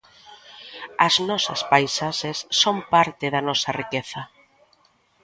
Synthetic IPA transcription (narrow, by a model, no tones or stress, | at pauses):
ɐznɔsɐ̰spajsaʃesːompaɾt̪ɪðɐnɔsɐrikeθɐ